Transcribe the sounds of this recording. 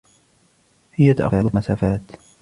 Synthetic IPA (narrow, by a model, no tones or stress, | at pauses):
hɪjːat̪aʔa̰xalmasaːfaːt̪